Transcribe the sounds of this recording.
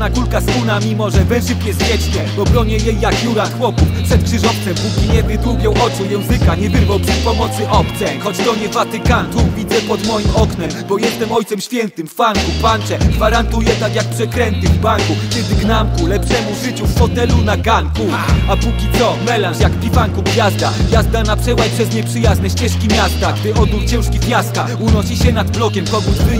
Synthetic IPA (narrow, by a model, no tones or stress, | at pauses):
nakulkast̪unamʲimɔʐɛvɛ̃ʐɨfɲɛzvʲjɛt͡ɕɲɛvɔbɾɔɲɛjejːakjuɾaxwɔpufpʂɛt̪̚kʂɘʐɔft̪sɛmpukʲiɲɛd̪nɪd̪wuɡʲjɔ̃wʔɔt͡ʂujɛ̃w̃zɘkaɲɛvɘɾvawpʂɛspɔmɔt̪sɘʔɔpt̪sɛxɔt͡ɕt̪ɔɲɛvat̪ɘkant̪uvʲid̪zɛpɔd̪mɔjimɔknɛmbɔjɛst̪ɛmɔjt̪sɛmɕfʲjɛnt̪ɘmːaŋkupant͡ʂɛɡvaɾant̪ujɛt̪akjak̚pʂɛkɾɛnt̪ɘvbaŋkut̪ʲɛd̪ɘɡnamkulɛpʂɛmuʐɘt͡ɕuffɔt̪ɛlunaɡaŋku | apukʲit̪sɔmɛlanʂjakpʲivaŋkuɡvʲjazd̪avjazd̪anapʂɛwajpʂɛzɲɛpʂɘjaznɛɕt͡ɕɛʂkʲimʲjast̪aɡd̪ɪʔɔd̪uɾt͡ɕɛ̃w̃ʂkʲivʲjast̪a | unɔɕiɕɛnad̪blɔkʲɛmkɔɡuzɪ